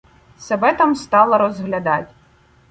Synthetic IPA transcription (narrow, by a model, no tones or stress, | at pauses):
sebɛt̪ɑmst̪ɑlˠɐɾɔzɦlʲɐd̪ɑtʲ